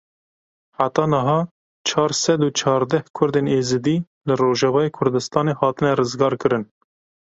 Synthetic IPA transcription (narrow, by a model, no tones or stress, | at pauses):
ħat̪ɑːnəɦɑː | t͡ʃʰɑːɾsɛd̪uːt͡ʃʰɑːɾd̪ɛhkʰʊɾd̪eːneːzɨd̪iː | lɨroːʒɛvɑːjeːkʰʊɾd̪ɨst̪ɑːneːhɑːt̪ɨnɛrɨzɡɑːɾkɨɾɨn